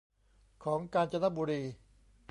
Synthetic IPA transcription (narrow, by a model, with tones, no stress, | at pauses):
kʰɔː˩˦ŋkaː˧nt͡ɕa˧na˦˥buː˧ɾiː˧